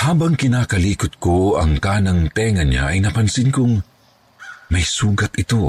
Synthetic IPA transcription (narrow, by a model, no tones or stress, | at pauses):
haːbɐŋkɪnaːkɐliːkʊt̪̚koɐ̰ŋkaːnɐŋt̪ɛːŋɐɲa̰ʔɐjnɐpɐnsɪnkʊŋ | mɐjsuːɡɐt̪ʔɪt̪o